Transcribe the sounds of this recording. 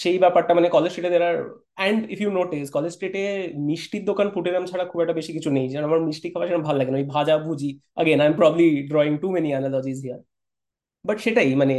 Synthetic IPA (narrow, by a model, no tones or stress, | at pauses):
ʃejbɛpaɾʈamanekɔled͡ʑsʈeʈed̪eɾaɾ | ɛɳɖifjunoʈiskɔled͡ʑsʈeʈemiʃʈiɾd̪okanpuʈeɾamt͡ɕʰaɽakʰubɛk̚ʈabeʃikit͡ɕʰunejd͡ʑɛ̃amaɾmiʃʈikʰabaʃeʈabʱalːaɡenaojbʱad͡ʑabʱud͡ʑiə̰ɡenajmpɾɔbəbliɖɾɔiŋɡʈumenianalɔd͡ʑizɦiaɾ | bɐʈʃeʈaimane